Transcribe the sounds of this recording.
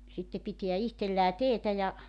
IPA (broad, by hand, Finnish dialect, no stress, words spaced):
sitːe pitiæ ihtelːæː teːtæ jɑ